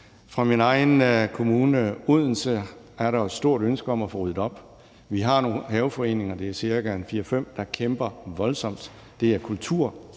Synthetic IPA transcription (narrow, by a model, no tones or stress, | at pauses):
fʁɑ̈minɑ̈ɪn̩kʰo̝muːnəuð̰ˠn̩sə | æɐɾɑ̈ɒssːd̥o̝ɐ̰ɾ̥ønsɡ̥əɒ̽mæfɔʁyð̰̩ˠɒ̽b̥ | ʋiɦɑ̈no̝ːnɦɛʊfɒ̽e̝ːne̝ŋɐd̥e̝æɐsiɐɡɡ̥æenfiːɐfem̰d̥ɑ̈kʰemb̥ɐʋɒ̽lsɒ̽m̰d̥ | d̥e̝æɐkʰult͡sʰuɐ̰